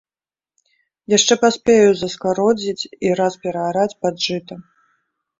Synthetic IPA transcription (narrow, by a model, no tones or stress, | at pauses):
jaʂt͡ʂɛpasʲpʲejuzɐskaɾɔd͡zʲit͡sʲiɾaspʲɛɾɐaɾat͡sʲpad̪ʐɨt̪ɐ